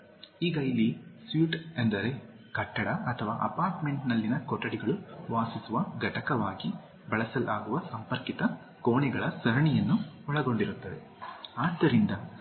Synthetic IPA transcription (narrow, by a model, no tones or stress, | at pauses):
iːɡɐjlisʋuːʈend̪ɐɾe̞ | kɐʈːɐɽɐɐt̪ʰɐʋaːʔɐ̰paːɾʈme̞ɳʈnɐlːinɐkɔʈːɐɽiɡɐɭuʋaːsisuʋɐɡɐʈɐkɐʋaːɡi | bɐɭɐsɐlʔaːɡuʋɐsɐmpɐɾkit̪ɐ | koːɳɛɡɐɭɐsɐɾɐɳijɐnːu | ɔɭɐɡo̞ɳɖiɾut̪ːɐʋe̞̰ | aːd̪ːɐɾind̪ɐ